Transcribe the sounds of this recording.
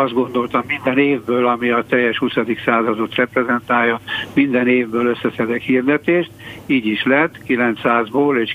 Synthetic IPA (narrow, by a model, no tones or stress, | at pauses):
ɒzd̪ɡo̞nd̪o̞lt̪ɒmːind̪ɛneːvbøːlɒmiɒt̪ɛjːɛʃhusɒd̪iksaːzɒd̪o̞t̪rɛprɛzɛnt̪aːjːonmind̪ɛneːvbøːløsːɛsɛd̪ɛkhiːrd̪ɛt̪eːʃt̪iːɟiʃlɛt̪ːkilɛnt̪saːzboːleːʃ